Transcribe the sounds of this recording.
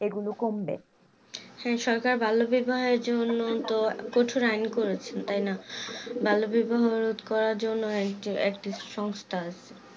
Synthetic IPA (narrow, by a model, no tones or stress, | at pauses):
eɡulokombḛ | hɛ̃ʃɔɾkaɾbʱalobibaɦɔeɾd͡ʑonːot̪okoʈʰoɾajnkoɾet͡ɕʰent̪ajnabʱalobibaɦoɾot̪kɔɾaɾd͡ʑonːoekʈiekʈiʃɔŋst̪ʰaat͡ɕʰe